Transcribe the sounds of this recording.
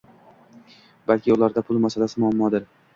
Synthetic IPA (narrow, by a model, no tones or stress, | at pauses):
balkʲʰɪʊlaɾd̪apʰʊlˠmasalasɪmʊamːɒd̪ɪɾ